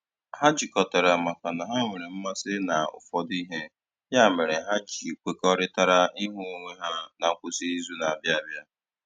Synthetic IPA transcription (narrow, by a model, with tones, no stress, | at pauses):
ha˦d͡ʒi˨kɔ˨ta˨ɾa˨ma˨ka˨na˨ɦa˦ŋʷe˨ɾe˨m̩˦ma˦sɪ˦na˨ʊ̰˨fɔ˨di˦ɦe˦ | ja˦˨me˨ɾe˨ɦa˦d͡ʒi˨kʷe˦kɔ˦ɾɪ˦ta˦ɾa˦i˦ɦʊ˦o˦ŋʷe˦ɦa˦na˨kʷʊ˨si˦i˦zu˦na˨a˨bja˦a˨bja˦